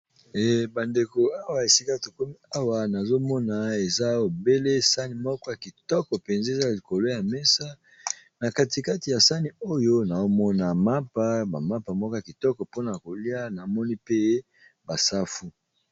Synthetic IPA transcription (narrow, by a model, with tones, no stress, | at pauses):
ɛ˨ba˨nde˨ko˨a˦wa˨je˨si˦ka˦˨to˨ko˦mi˦a˦wa˨na˨zo˦mɔ˦na˨e˨za˦o˨be˦le˦sa˦ni˨mɔ˦kɔ˦ja˨ki˨tɔ˦kɔ˨pe˨nze˦˨za˦˨li˨ko˨lo˦ja˨mɛ˦sa˦ | na˨ka˦ti˨ka˦ti˨ja˨sa˦ni˨o˦jo˦na˨o˦mɔ˦na˨ma˦pa˦ba˨ma˦pa˨mɔ˦kɔ˦ja˨ki˨tɔ˦kɔ˨po˦na˨ko˨li˦a˦na˨mɔ˦ni˦pe˦ | ba˨sa˦fu˦